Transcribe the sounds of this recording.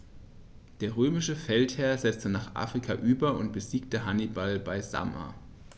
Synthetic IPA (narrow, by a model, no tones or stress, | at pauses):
d̥eːɐʁøːmɪʃəfɛlthɛɐzɛt͡stənaːχʔa̰ːfʁ̥ikʰaʔyːbɐʊnt̚b̥əziːk̚təɦanibalbaɪza̰ma̰